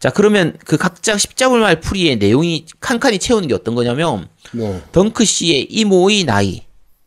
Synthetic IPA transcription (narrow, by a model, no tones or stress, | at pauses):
t͡ɕakɯɾʌmjʌnkɯkak̚t͡ɕ͈akɕʰi̥p̚t͡ɕ͈abuɭmaɭpʰuɾie̞ne̞joŋikʰankʰaɲit͡ɕʰe̞unɯnɡeʌt̚t͈ʌnɡʌɲamjʌntʌŋkʰɯɕ͈ie̞ʔimoina̰ḭ